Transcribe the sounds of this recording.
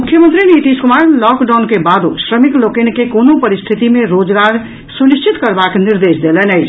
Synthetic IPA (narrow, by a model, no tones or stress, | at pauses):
mukʰːjəmənt̪ɾinit̪iskumaɾlɔkɖaʊnkebad̪o̰sɾəmiklokenkekonopəɾist̪ʰit̪imẽɾod͡ʒɡaɾ | sulist͡ʃʰit̪kəɾbakniɾd̪esd̪elɛnəɪt͡ʃʰ